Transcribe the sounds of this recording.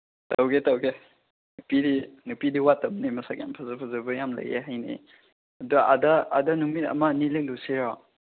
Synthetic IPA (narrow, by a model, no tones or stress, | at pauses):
tawɡetawɡe | nupidinupidiwatːɐmnimɐsakja̰npʰazɐpʰazɐbɐjamlɐ̰jḛɦajnḭ | ɐduɡadɐːdɐnumit̚ɐ̰mɐnilek̚loseɾɔ